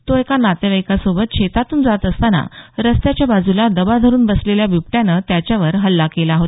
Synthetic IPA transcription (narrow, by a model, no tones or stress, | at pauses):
t̪oekanat̪eʋəjkasobət̪ɕet̪at̪uːnd͡zat̪əst̪ana̰ɾəst̪jat͡ɕjabad͡zulad̪əbad̪ʱəɾuːnbəsleljabjupʈjãnət̪jat͡ɕjaʋəɾɦəlːakelaɦot̪